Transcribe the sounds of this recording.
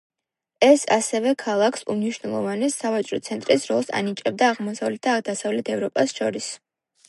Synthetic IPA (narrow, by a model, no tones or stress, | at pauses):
ɛsa̰sɛvɛkʰalˠakʰsṵmniʃwnɛlˠɔ̰vanɛsːavat͡ʃʼɾɔ̰t̪sʰɛnt̪ʼɾisɾɔlˠsa̰nit͡ʃʼɛb̚d̪aːʁmɔsavlɛt̪̚d̪̥ad̪asavlɛt̪ʰɛvɾɔpʼasʃɔɾis